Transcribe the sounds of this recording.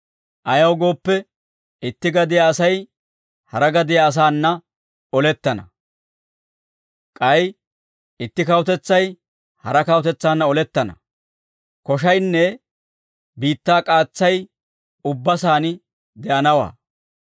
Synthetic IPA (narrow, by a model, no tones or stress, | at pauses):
ʔɐjɐwɡo̞ːpːɛ | ɪt̪ːɪɡɐd̪ɪjaːsɐj | hɐɾɐɡɐd̪ɪjaːs̬aːnːɐ | ɔlɛt̪ːɐnɐ | kʼɐj | ɪt̪ːɪkɐwʊt̪ɛt͡sːɐj | hɐɾɐkɐwʊt̪ɛt͡sːaːnːɐɔlɛt̪ːɐnɐ̰ | kɔʃɐjnːɛ | biːt̪ːaːkʼaːt͡sːɐj | ʊbːɐsaːn | d̪ɛʔɐnɐwa̰ː